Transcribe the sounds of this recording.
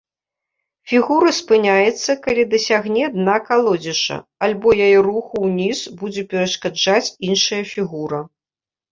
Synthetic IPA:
fʲiɣuɾɐspɨnʲajɛt̪sːɐkalʲid̪ɐsʲaɣnʲɛd̪nakalˠɔd͡zʲɛʂɐ̰alʲbɔjajɛruxuwnʲisbud͡zʲɛpʲɛɾɐʂkad͡ʐat͡sʲinʂɐjɐfʲiɣuɾɐ

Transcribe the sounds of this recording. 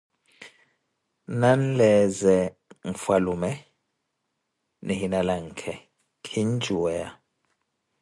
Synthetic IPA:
nan̩lɛzɛ | ŋ̩falumɛ | nɛɦinalaŋ̩kʰɛ | kʰind͡ʒʱuwɛa̰

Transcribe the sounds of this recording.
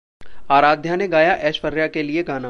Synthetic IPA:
aːɾaːd̪ʱjaneɡaːjaʔɛːʃfəɾjakelieɡaːna

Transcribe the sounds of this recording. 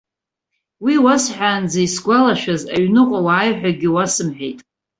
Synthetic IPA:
wiwasħʷᶣaːnd͡zajsɡʷalaʃᶣazaɥnɨqʷʼawaːjħʷᶣaɡʲɪwasɨmħᶣejtʼ

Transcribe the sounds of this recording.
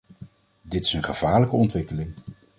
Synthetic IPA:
dɪtɪ̥sənχəv̥aːɹləkəɔntʋɪkəlɪŋ

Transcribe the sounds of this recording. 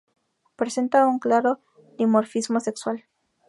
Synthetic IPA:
pɾese̞nt̪auŋklaɾo̞ | nimoɾfizmo̞se̞kswal

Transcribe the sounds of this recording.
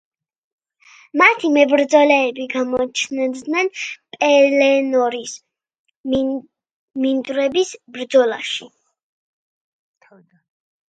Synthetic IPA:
mat̪ʰimɛbɾd̪zɔlɛːbiɡamɔt͡ʃʰnd̪nɛnpʼɛlɛnɔɾis | mind̪ʼɾɛbisbɾd̪zɔla̰ʃi

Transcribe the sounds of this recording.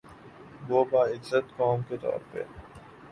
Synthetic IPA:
boːbaːɪd͡ʒzət̪kɔːmket̪ɔ̰ːɾpḛ

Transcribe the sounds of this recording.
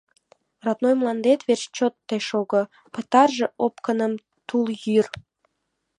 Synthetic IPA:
rɑt̪nojmlˠɑnd̪et̪βerɕt͡ɕot̪ːeʃoɣə | pət̪ɑrʒĕopkənəm | t̪uljyr

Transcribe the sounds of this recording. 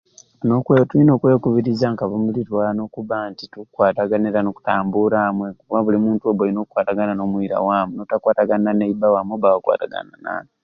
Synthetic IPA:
nokwetuino̞ːkwe̞ːkuβiɾizaŋkaβomulitwano̞kuβantitukwaːtaɡaniɾanoku̥taːmbuɾamwekukuβaβulimuːntuoβoinokukwaːtaɡanano̞mwiɾa̰waːmuno̞takwaːtaɡananeibawamwoβawakwa̰ːtaɡa̰nana̰ːn

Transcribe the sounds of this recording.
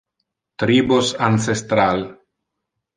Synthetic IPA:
t̪ɾibosansest̪ɾal

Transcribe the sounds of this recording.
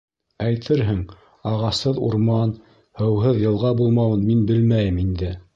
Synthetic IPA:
æjt̪ʰɘɾɦɘŋ | ɑʁɑshɤðṵɾmɑn | hɤ̆wɦɤðjɤ̆lˠʁɑbulˠmɑwɤnminbɘlmæjɘmind̪ɘ

